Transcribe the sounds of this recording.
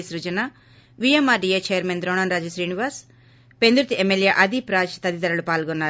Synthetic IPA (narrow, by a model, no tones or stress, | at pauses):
sɾud͡ʒɐna | ʋijemːaːɖijeːt͡ʃejɐɾmend̪ɾoːnɐnɾaːd͡ʒɐsɾiːniʋaːs | pend̪ɾut̪iʔemeljeːʔɐd̪ipɾaːt͡ʃi̥t̪ɐd̪it̪ɐɾɐlupaːlɡɔnːaːɾu